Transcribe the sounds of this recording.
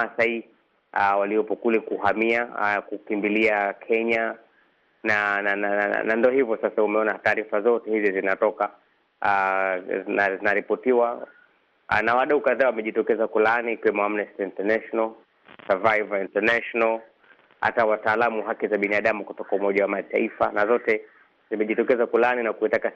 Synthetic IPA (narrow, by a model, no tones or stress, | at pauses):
asai | awaliɔpɔkulɛkuɦamiakukimbiliakʰɛɲa | nananana̰nandɔhivɔsasaumɛɔnataːɾifazɔtɛhizizinatɔka | a | nazinaɾipɔtiwa | nawaɗaukaðaːwamɛʄitɔkɛzakulaniːkiwɛmɔamnɛstiintɛnaʃɔnal | savajvaintɛnaʃɔnal | ha̰tawataːlamuɦakizaɓinaɗamukutɔkaumɔʄawamataifa̰nazɔtɛ | zimɛʄitɔkɛzakulaninakuitaka